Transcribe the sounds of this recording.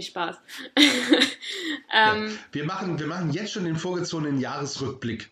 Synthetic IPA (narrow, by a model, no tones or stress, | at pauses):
ɪʃpaːs | ʔɛːmviːɐmaχn̩viːɐmaχn̩jɛt͡stʃoːndeːnfoːɐɡət͡soːɡənənjaːʁəsʁʏk̚b̥lɪk